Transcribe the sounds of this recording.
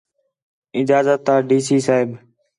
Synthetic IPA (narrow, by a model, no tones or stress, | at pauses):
ɪd͡ʒaːzət̪ːaːɖiːsiːsaːɦɪb